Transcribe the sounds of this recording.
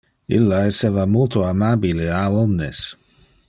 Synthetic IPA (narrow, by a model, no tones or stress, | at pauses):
ḭlːaɛsɛvamolt̪oamabileaɔmnḛs